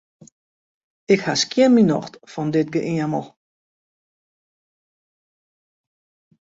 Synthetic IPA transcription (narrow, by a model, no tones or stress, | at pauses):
ɪkhaskjɪnminɔ̰xtfɔndɪt̚ɡəʔɪəməlˠ